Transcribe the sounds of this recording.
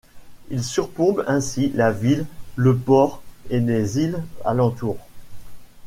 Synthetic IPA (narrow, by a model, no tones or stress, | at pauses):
ilsyʁpɔ̃bɛ̃silavilːəpɔʁelezila̰lɑ̃t̪uːʁ